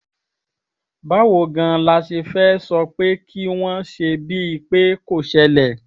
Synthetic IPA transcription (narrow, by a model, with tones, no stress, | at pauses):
ba˨˦wo˦˨ɡã˧˨la˧ʃe˧fɛː˦sɔ˧k͡pe˦kʰi˦w̃ɔ̃˦ʃe˧bi˦i˧k͡pe˦ko˦˨ʃɛ˧lɛ˨